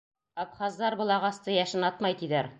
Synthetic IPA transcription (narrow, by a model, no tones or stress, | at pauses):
ɑpχɑzd̪ɑɾbɤ̆lˠɑʁɑst̪ɤjæʃɘnɑt̪mɑjt̪id̪æɾ